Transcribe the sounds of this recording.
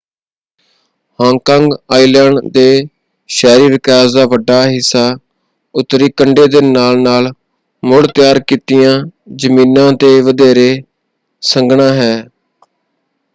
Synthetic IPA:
hãːŋkãːŋɡaːilɛːɳɖd̪eː | ʃɛːɾiːʋɪkaːzd̪aːʋəɖaːɦɪsːaː | ʊt̪ːɾiːkəɳɖeːd̪eːnaːlnaːl | mʊɽt̪ɪjaːɾkiːt̪ɪjãːd͡ʒəmĩːnãːt̪eːʋəd̪eːɾeː | səŋɡɳãːɦɛː

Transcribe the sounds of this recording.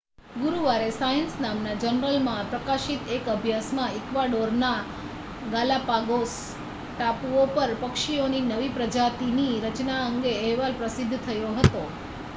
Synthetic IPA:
ɡuɾuʋaɾesajənsnamnad͡ʒənɾəlmãpɾəkaʃit̪ekəbʱjasmãɪkʋaɖoɾna | ɡalapaɡos | ʈapuopəɾpəkʃioninəʋipɾəd͡ʒat̪iniɾət͡ʃnaəŋɡeɛɦʋalpɾəsɪd̪ʱːt̪ʰəjoɦət̪o

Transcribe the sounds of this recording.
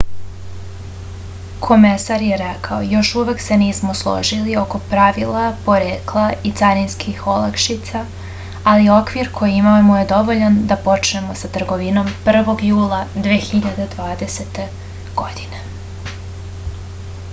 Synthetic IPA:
kʰo̞me̞saɾjeɾekʰaojo̞ʃuʋe̞kse̞niːsmo̞slˠo̞̰ʒilio̞ko̞pɾaʋilapo̞ɾeːklˠait̪saɾinskʰixo̞lakʃit̪saː | lio̞kʋiɾkʰo̞jiimamuje̞d̪o̞ʋoʎand̪apo̞t͡ʃne̞mo̞sat̪r̩ɡo̞ʋino̞mpr̩ʋo̞ɡjuːlˠad̪ʋeːxiʎad̪ed̪ʋaːd̪e̞se̞t̪e̞ | ɡ̥o̞d̪̥ine̞

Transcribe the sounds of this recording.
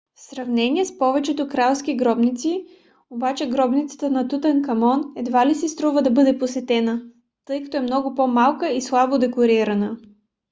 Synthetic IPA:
fsɾɐvnɛniɛspɔvɛt͡ʃɛt̪okɾalˠskiɡɾɔbnit̪si | obat͡ʃɛɡɾɔbnit̪sə̥t̪ənɐt̪ut̪ɛnkɐmɔnɛd̪valisist̪ɾɔvəd̪ɐbɤd̪ɛposɛt̪ɛnə | t̪ɤjkɐ̥t̪ɔɛmnɔɡʊpomalˠkəislˠabod̪ɛkoɾiɾɐnə

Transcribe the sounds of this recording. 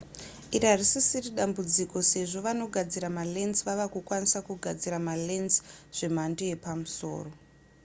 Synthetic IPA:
iriɦarisisiriɗambud͡ziko̞se̞ʐo̞ʋano̞ɡʱad͡ziɾamalenzʋaʋakukwanisakuɡʱad͡ziɾamalenzʐ̥e̞m̤andeje̞pamuso̞̰ːro̞

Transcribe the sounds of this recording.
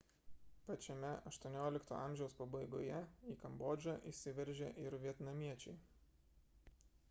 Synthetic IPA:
pɐt͡ʃʲɛmʲɛɐʃt̪uɔnʲoːlʲɪkt̪o̰ːʔɑˑmʲʒʲɛʊspɐbɐɪɡo̰ːjɛiːkɐmboːd͡ʒʲɐʔisʲɪʋʲɛɾʲʒʲeʔɪɾʋʲiɛt̪nɐmʲiɛt͡ʃʲɛɪ

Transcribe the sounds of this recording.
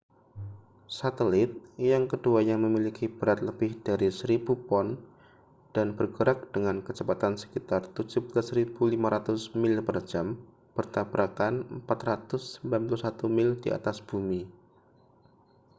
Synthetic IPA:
sat̪əlɪt̪̚jaŋkəduajaŋməmilikib̥əɾat̪̚ləb̥ɪhd̥aɾisəɾibupɔn | d̥anbərɡəɾak̚d̥əŋankəd͡ʒəpat̪ansə̥kit̪art̪ud͡ʒublasɾib̥ulimaɾat̪ʊsmɪlpər̥d͡ʒam | b̥ərt̪abɾʔakanəmpat̪rat̪ʊsːəmbilanpulusat̪umɪldia̰t̪asb̥umi

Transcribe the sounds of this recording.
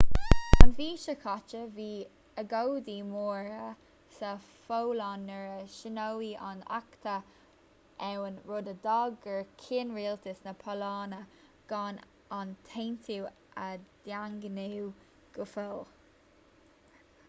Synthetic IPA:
anviːʃəkʰɑt͡ʃəviː | əɡowd̪iːmoːɹə | sə | fowlanːəɹəʃɪnowia̰na̰kt̪ʰə | ɛwənɹodəd̪ɑɡəɹkʰiːnɹiːlt̪ʰɪsnəpʰɔlɑːnə | ɡ̥ɑn | ant̪ʰeːnt̪ʰuw | ʔəd̪̥jaŋɡənew | ɡ̥əfol

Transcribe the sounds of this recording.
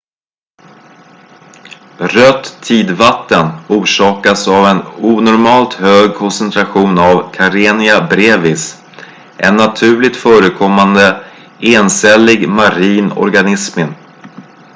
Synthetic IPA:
ɾœt̪ʰːiːd̪vat̪ːənuːʂɑːkasavɛnuːnɔɾmɑːlt̪høːɡ̚kʰɔnsɛnt̪ʰɾaɧuːnavkʰaɾeːnɪabɾeːvɪs | ʔɛnːat̪ʰʉ̟ːlɪt̪fœːɾəkʰɔmːand̪ə | eːnsɛlɪɡmaɾiːnɔ̰ɾɡanɪsmɪn

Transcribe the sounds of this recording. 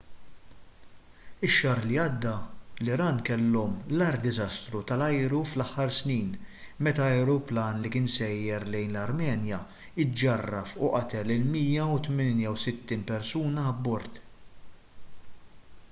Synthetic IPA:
ɪʃːɐːɾliɐd̪ːɐlɪɾɐːnkɛlːɔmlɐɾd̪ɪzɐst̪ɾut̪ɐlɐjɾuflɐħːɐɾsniːnmɛt̪ɐɐjɾuplɐːnlikɪːnsɛjːɛɾlɛjnlɐɾmɛːnjɐ | ɪd͡ʒɐrːɐfʊʔɐt̪ɛlɪlmiːjɐut̪mɪnjɐwsɪt̪ːiːnpɛɾsuːnɐːbːɔɾt̪

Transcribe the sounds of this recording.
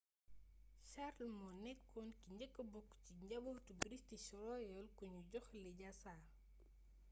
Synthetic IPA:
ʃaɾlmɔnɛkʰːɔnkiɲɟɐkːəbɔkːciɲɟɐbutubɾistiʃɔɾɔjɔlkuɲuɟɔxliɟasaː

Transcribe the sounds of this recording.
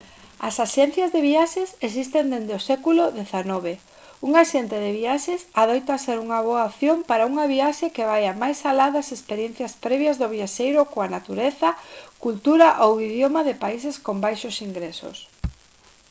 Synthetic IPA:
asaʃɛnθjɐzðeβiaʃeses̬ist̪end̪end̪osɛkulʊðeθanɔβ̞e | uŋaʃent̪eðeβiaʃesaðojt̪aseɾuŋɐβ̞oaoθjompaɾauŋɐβiaʃekeβ̞ajamajsalaðasespeɾjen̟θjɐspɾɛβjɐzðʊβ̞iaʃejɾʊkoanat̪uɾeθɐkult̪uɾaʔowiðjomaðɪpaiseskombajʃʊsiŋɡɾesʊ̰s

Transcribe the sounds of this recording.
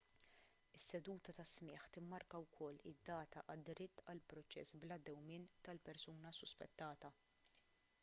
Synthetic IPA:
ɪsːɛd̪uːt̪ɐt̪ɐsmɪːħt̪ɪmːɐɾkɐwkʰɔlːɪ̰d̪ːɐːt̪ɐʔɐd̪ːɾɪt̪ːɐlpɾɔt͡ʃɛ̰sblɐd̪ːɛwmɪːnt̪ɐlpɛɾsuːnɐsʊspɛ̰t̪ːɐːt̪ɐ

